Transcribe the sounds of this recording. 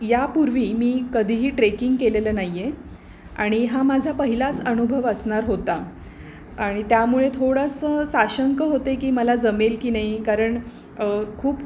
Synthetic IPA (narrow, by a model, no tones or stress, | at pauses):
japuɾʋiːmiːkəd̪ʱiɦiːʈɾekiŋɡkeleləːnaɦjje | a̰ɽ̃iɦamad͡zʱapəɦilat͡sənubʱəʋəsɳaɾɦot̪a | aɽ̃it̪jamuɭet̪ʰoɽasəsaɕəŋkəɦot̪ekiːməlad͡zəmelkiːnaɦikaɾəɳ | kʰuːp